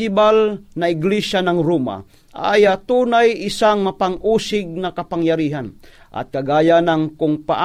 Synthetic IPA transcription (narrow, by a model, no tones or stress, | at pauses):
ɪbalnaɪɡlɛʃanaŋɾuma̰ | ajat̪uːnajɪsaŋmapaŋʔuːsɪɡ̚nakɐpaŋjaɾiːɦanʔɐ̰t̪̚kɐɡaːjanaŋkʊŋpaʔa